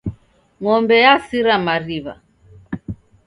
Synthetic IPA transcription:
ŋɔmbɛjasiɾamaɾiβa̰

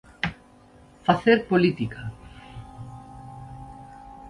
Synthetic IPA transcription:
faθeɾpolit̪ika

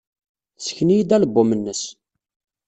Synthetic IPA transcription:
θsəçnijid̪æləbːʊmənːəs

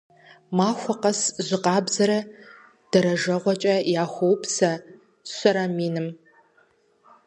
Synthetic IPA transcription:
maːxʷɔqɐsʑʷɪqɑːbzɐɾɐ | d̥ɐɾɐʒɐʁʷɔt͡ʃʼɐjaːxʷowpʰsɐ | ɕʷɐɾɐmiːnɨm

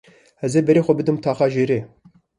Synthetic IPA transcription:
hɛzebɛɾeːxʷɛbɨd̪ɨmt̪ʰaːxɑːʒeːɾeː

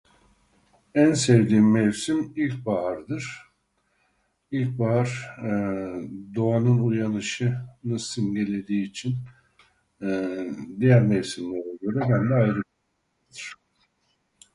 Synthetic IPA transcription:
ænsɛvd̪iːmɛvsimilʲc̚baɦaɾd̪ɯɾ̥ | ilʲc̚baɦaɾ | d̪oanɯnujanɯʃɯnɯsɯnɟe̞lʲe̞d̪iːt͡ʃʰin | d̪ijæɾmɛvsimlʲæɾɛɟø̞ɾɛbænd̪ɛajɾɯba | a | d̪ɯɾ̥

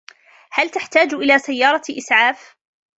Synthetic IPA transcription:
halt̪aħt̪aːd͡ʒʔɪlaːsajːɑːɾˤɑʔɪsʕaːf

